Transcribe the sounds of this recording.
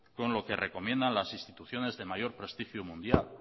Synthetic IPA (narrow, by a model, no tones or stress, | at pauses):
ko̞nlo̞kere̞ko̞mjẽ̞nd̪anlasinst̪it̪uθjo̞ne̞zðe̞majo̞ɾpɾe̞st̪ixjumũnd̪jal